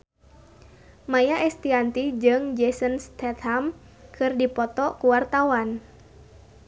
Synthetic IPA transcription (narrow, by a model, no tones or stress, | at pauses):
majaʔɛst̪iant̪id͡ʒɨŋd͡ʒɛsənst̪ɛt̪ham | kʰɨrdipɔt̪ɔkuwart̪awan